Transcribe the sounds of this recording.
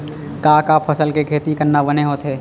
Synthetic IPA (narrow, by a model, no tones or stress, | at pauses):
kaːkaːpʰɐsəlkekʰeːt̪ikəɾnːabɐneɦoːt̪ɦɛː